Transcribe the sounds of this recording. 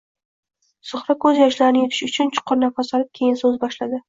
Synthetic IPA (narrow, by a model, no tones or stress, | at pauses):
sʊχɾakʰɵzjɒʃlaɾɪnɪjet̪ʰɪ̥ʃʊt͡ʃʰʊnt͡ʃʰʊ̥qʰːʊɾnafasɒlɪp̚kʲʰe̞jɪnsɵzbɒʃlad̪ɪ